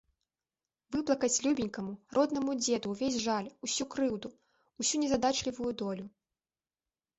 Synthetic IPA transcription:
vɨplˠɐkɐt͡sʲlʲubʲinʲkɐmurɔd̪nɐmud͡zʲɛd̪uwvʲezʲʐalʲusʲukɾɨwd̪u | usʲunʲɛzɐd̪at͡ʂlʲivujud̪ɔlʲu

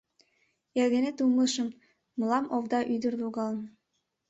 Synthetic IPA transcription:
elɡĕnet̪uməʃə̆mː | ɤlɑmʔovd̪ɑʔyd̪ə̆rd̪uɣɑln

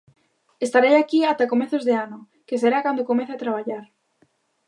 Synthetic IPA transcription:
est̪aɾejakiat̪akomeθozðeano | kes̬eɾakwand̪okomẽθeat̪ɾaβ̞aʎaɾ

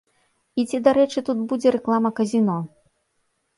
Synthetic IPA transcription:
it͡sʲid̪aɾɛt͡ʂɨt̪ut̪̚bud͡zʲɛɾɛklˠamɐkɐzʲinɔ

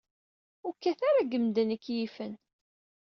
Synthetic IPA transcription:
ʊɾkːæθaɾaɡəmd̪ənəkːjifən

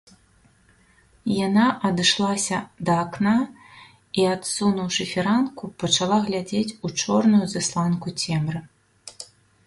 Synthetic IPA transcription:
janaʔɐd̪ɨʂlˠasʲɐd̪ɐːkna | iat̪sunuwʂɨfʲiɾankupɐt͡ʂalˠaɣlʲad͡zʲet͡sʲut͡ʂɔrnujuzɨslˠankut͡sʲɛmrɨ

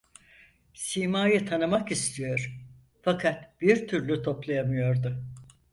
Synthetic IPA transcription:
simaːjɯt̪ʰanɯmakist̪ʰijo̞ɾ̥ | fakʰat̪b̥iɾt̪ʰyɾlʲyt̪ʰo̞plˠajamɯjo̞ɾd̪ʊ

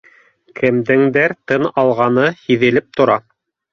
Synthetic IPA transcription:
kʰɘ̆md̪ɘ̆ŋd̪æɾt̪ɤnɑlˠʁɑnɤhiðɘ̆lɘp̚t̪ŏɾɑ

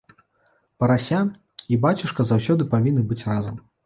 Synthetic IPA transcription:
pɐɾasʲa | ibat͡sʲuʂkɐzawsʲɔd̪ɨpavʲinːɨbɨt͡sʲrazɐm

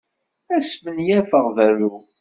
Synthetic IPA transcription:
æsmənjæfəʁðæɾu

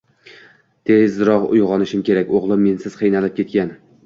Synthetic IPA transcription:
t̪ʰezɾɒqʊ̰jʁɒnɪʃɪmkʲʰe̞ɾakʲoʁlˠɪmːe̞nsɪz̥qʰɨjnalɪp̚kʲʰe̞t̪̚kʲan

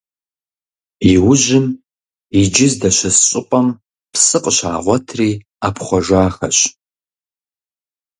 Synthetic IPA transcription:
iwʊʒɪm | id͡ʒɪzdaʃʷɪsɕʼʊqʷʼam | pʰsɨqʼʃa̰ːʁʷɐtʰriː | apʰχʷaʒʷaːxɐɕ

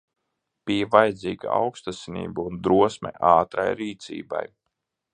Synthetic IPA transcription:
pivajd̪zʲiːɡaa̰wkst̪asinḭːbuund̪ɾuɔsmʲɛ̰ʔaːt̪ɾa̰jɾiːt̪sʲḭːba̰j

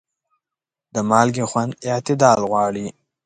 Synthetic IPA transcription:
d̪əmɑlɡexwand̪ɪʕt̪ɪd̪ɑlɣwɑːɽi

